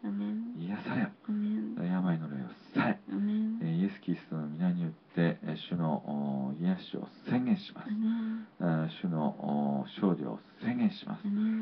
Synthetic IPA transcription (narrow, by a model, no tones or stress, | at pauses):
ijasaɾeo | jamainoɾaio̰saɾe | je̞sɨ̥kʲiɾʲisɨ̥t̪o̞nomʲinaɲ̟ijot̪ːe̞ɕɨno̞ʔijaɕio̞̰sẽ̞ŋɡẽɰ̃ɕima̰sɨ̥ | ɕɨno̞ʔɕo̞ːd̪ʲo̰o̰sẽ̞ŋɡẽ̞ɰ̃ɕimʔa̰sɨ̥